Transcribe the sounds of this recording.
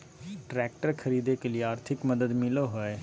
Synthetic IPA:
ʈɾɛːk̚ʈəɾkʰəɾiːd̪eːkəliːaːɾt̪ʰɪkməd̪əd̪mɪloːɦoeː

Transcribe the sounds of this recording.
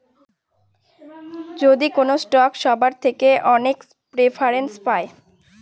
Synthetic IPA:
d͡ʑod̪ikonosʈɔkʃɔbaɾt̪ʰekeʔɔnek | pɾefʰaɾenspae

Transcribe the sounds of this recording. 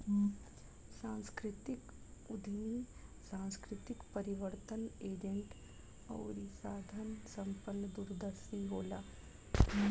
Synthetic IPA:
sãːnskɾɪt̪ɪk | ʊd̪ʱnisãːnskɾɪt̪ɪkpəɾɪʋəɾt̪əneːd͡ʒə̃ɳʈ | ɔ̰ːɾisaːd̪ʱənsɐ̃mpənːəd̪uɾd̪əsiɦoːlaː

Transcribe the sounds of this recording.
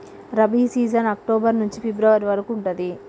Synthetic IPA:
ɾɐbiːsiːd͡ʒɐnɐk̚ʈoːbɐɾnuɲt͡ʃipibɾɐʋɐɾiʋɐɾɐkuːɳʈɐnd̪i

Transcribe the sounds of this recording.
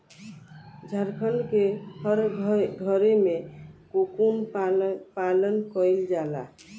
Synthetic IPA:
d͡ʒʱəɾkʰənkehəɾʱɡʱəɾemekokun | palənkəjld͡ʒala̰

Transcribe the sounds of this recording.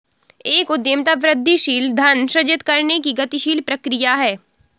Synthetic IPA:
eːkʊd̪jəmt̪aʋɾɪd̪ʱːiʃiːld̪ʱɐnʃɾɐd͡ʒɪt̪kɐɾnekiɡɐt̪iʃiːlpɾɐkɾijaɦɛː

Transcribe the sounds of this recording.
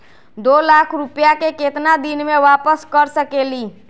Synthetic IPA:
d̪olakʰɾupjakeket̪nad̪inmeʋapəskəɾsəkeli

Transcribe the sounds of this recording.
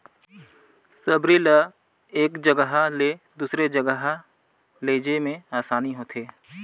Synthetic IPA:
səbɾilə | eːkd͡ʒəɡəɦaled̪uːsɾed͡ʒəɡəɦa | leːd͡ʒemẽaːsaːniɦoːt̪ʰeː

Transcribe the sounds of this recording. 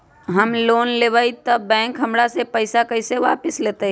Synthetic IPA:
ɦəmloːnleʋait̪əbɛ̃ːŋkɦəmɽasepəɪsakəɪseʋa̰ːpɪsleːt̪e

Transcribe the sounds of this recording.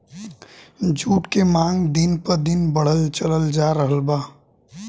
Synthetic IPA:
d͡ʒuːʈkemãːŋɡd̪ɪnpɐɾd̪ɪnbəɽ̤əlt͡ʃələld͡ʒaːɾəɦəlbaː

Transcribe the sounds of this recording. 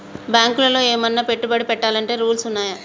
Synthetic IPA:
bjaːŋkulɐlo̞ːeːmɐnːaːpeʈːubɐɽipɛʈːaːlɐɳʈe̞ːɾuːlsunːaːjɐ

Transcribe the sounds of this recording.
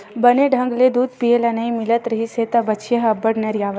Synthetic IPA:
bəneɖʱə̃ŋɡled̪uːd̪̚pijelɐnɐĩmɪlət̪ɾɐɦiset̪ɐbɐt͡ʃʰjɐɦɐbəɽneɾjaːʋə

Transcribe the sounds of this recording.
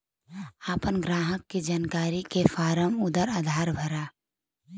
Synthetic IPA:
aːpənɡɾaːɦəkːid͡ʒaːnkaːɾikefaːɾəmʊd̪əɾaːd̪ʱaːɾbʱəɾaː

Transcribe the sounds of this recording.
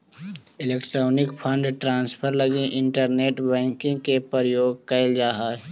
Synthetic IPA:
ɪleːkʈɾoːnɪkpʰə̃ɳɖʈɾãːnspʰəɾləɡĩʔɪ̃ɳʈəɾneːʈbɛ̃ːŋkɪ̃ŋɡkepəɾəjoːɡ̚kɐɪld͡ʒaːɦaː

